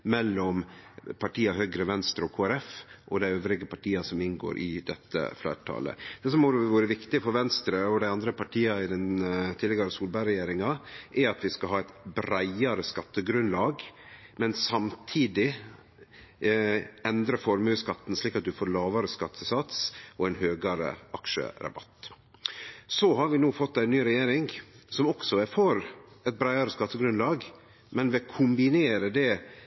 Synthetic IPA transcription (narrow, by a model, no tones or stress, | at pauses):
mɛlːɔmpʰɑʈʰiːɑhøːɡɾəʋɛnst̪ɾəɔkʰoːæɾɛfʔɔd̪æɪøːʋɾɪɡəpɑʈiːɑsɔmɪnɡo̰ːɾʔɪ̰d̪ɛt̪ːə̰flæ̰ːʈʰɑ̰ːlə̰d̪̥ɛːs̬ɔmʋuːɾəʋɪkt̪ɪfɔɾʋɛnst̪ɾəɔd̪æɪɑnd̪ɾəpʰɑʈʰiːɑɪd̪ɛnt̪ʰɪlːɛɡɑɾəsuːlbɑɪɾɛjeːɾɪŋɑʔɛɾɑt̪ʋɪskɑɦɑːæɪt̪bɾæɪɑɾəskɑt̪ːəɡɾʉnlɑːɡmɛnsɑmt̪ʰiːd̪ɪ | ɛnd̪ɾəfɔɾmʉːskɑt̪ːn̩sliːkɑt̪̚d̪ʉfoːɾlɑːʋɑɾəskɑt̪ʰːəsɑt̪sɔæɪnhøːɡɑɾə̰ʔɑkʃə̰ɾɑ̰bɑ̰t̪ː | sɔɦɑɾʋɪnuːfɔt̪ːæɪnːyːɾɛjeːɾɪŋsɔmɔksɔɛfɔɾɛt̪̚bɾæɪɑɾəskɑt̪ːəɡɾʉnlɑːɡ | mɛnʋɛkʰʊmbɪneːɾəd̪ɛ